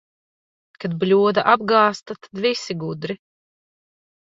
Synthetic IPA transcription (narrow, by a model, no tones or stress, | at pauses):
kad̪blʲuɔd̪aʔab̚ɡaːst̪at̪ad̪visiɡud̪ɾi